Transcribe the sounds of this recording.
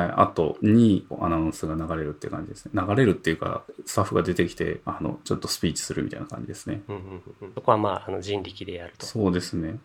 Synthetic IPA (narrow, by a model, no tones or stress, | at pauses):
haiʔa̰t̪o̞̰ɲ̟ia̰naɯ̃sɨɡanaɡaɾe̞ɾɯ̟t̪ːeiɯ̟kã̰ɲ̟d͡ʑid̪e̞sɨne̞naɡaɾe̞ɾɯ̟t̪ːe̞iɯ̟ka̰sɨ̥t̪aɸːɯ̟ɡad̪e̞t̪e̞kʲi̥t̪e̞̰ano̞̰t͡ɕo̞t̪ːo̞sɨ̥pʲiːt͡ɕi̥sɨɾɯ̟mʲit̪a̰ina̰kʰã̰ɲd͡ʑid̪e̞sɨne̞ɯ̃hsoko̞βamaːano̞d͡ʑĩnɾʲikʲid̪e̞jaɾɯ̟̥t̪oso̞ːd̪e̞sɨne̞